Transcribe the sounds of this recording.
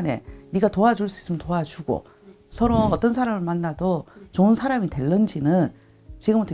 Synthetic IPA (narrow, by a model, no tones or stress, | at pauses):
ne̞̰niɡatoad͡ʑuɭs͈uis͈ɯmjʌntoat͡ɕuɡo̰ | sʰʌɾoːt͈ʌnsʰaɾamɯɭmanːadot͡ɕoɯnsʰaɾamite̞ɭːʌnd͡ʑinɯn | t͡ɕiɡɯmʌtʰe